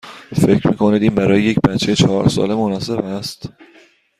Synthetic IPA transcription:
fe̞cɾmiːkʰo̞nid̪iːnbæɾɒːjeje̞cbæt͡ʃʰːejet͡ʃʰɒːɾsɒ̰ːle̞monɒːse̞bæst̪

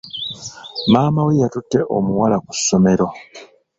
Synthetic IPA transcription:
maːmawijatutːe̞ʔo̰muwalaku̥sːo̞me̞ɾo̞

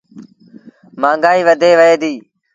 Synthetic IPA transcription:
mãːŋɡaːiːʋəd̪ʱeːʋəeːd̪iː

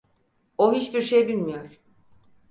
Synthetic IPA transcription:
oɦit͡ʃbiɾʃejbilʲmijo̞ɾ̥

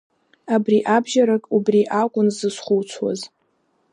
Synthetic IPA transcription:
abriʔabʒaɾakʼubriʔakʷʼʊnzɨsχʊwt͡sʷʰwa̰z

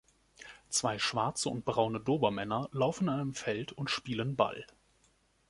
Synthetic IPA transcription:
t͡sv̥aɪʃv̥aɐt͡səʊ̰nt̚b̥ʁaʊnədoːbɐmɛnɐlaʊfn̩aɪnəmfɛltʰʊntʃpiːlənba̰l

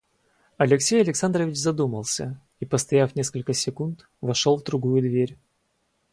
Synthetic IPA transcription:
ɐlʲɪksʲejɐlʲɪksand̪ɾəvʲɪt͡ɕzɐd̪uməlˠsʲə | ipəst̪ɐjafnʲeskəlʲkəsʲɪkunt̪ | vɐʂolˠvd̪ɾʊɡujʊd̪vʲeɾʲ

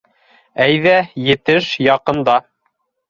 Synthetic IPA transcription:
æjðæjɘ̆t̪ɘʃjɑqɤ̆nd̪ɑ

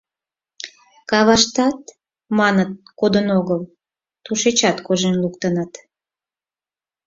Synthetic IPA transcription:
kɑβɑʃt̪ɑt̪ | mɑnət̪̚kod̪ənoɣəl | t̪uʃet͡ɕɑt̪koʒenlukt̪ənət̪

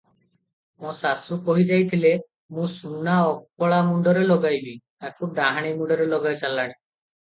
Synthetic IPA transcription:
mõsasukoɦid͡ʒajt̪ʰile | mũsunaɔkpɔɭamuɳɖɔɾelɔɡajbit̪akuɖaɦaɽ̃imuɳɖɔɾelɔɡajt͡ʃalaɽ̃i

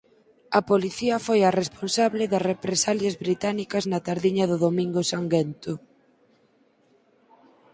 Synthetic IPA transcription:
ɐpoliθiɐfojɐresponsaβlɪðɐsrepɾesaljɐzβɾit̪anikɐznɐt̪aɾðiɲɐðʊðomĩŋɡʊsaŋɡent̪ʊ

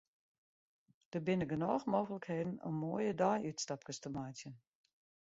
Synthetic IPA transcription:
d̥əbɪnəɡənɔːxmoːɣələkheːdn̩ə̰nmoːəjədɔjytstap̚kəstəmajtjən

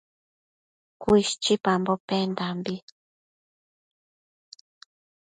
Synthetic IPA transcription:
kuiʃt͡ʃipambopend̪ambi

